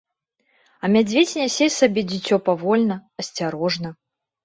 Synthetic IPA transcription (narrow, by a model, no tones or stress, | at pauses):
ɐmʲad͡zʲvʲet͡sʲnʲɛsʲɛjʲsabʲɛd͡zʲit͡sʲɔpavɔlʲnɐɐsʲt͡sʲaɾɔʐnɐ